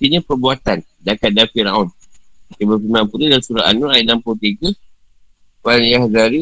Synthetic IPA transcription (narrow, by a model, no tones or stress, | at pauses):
t̪iɲapərbuat̪an | dakat̪̚dafiɾa̰unibəpimãnpudidasuɾaanɔɾaidanpɔt̪iɡə | wanjahzaɾi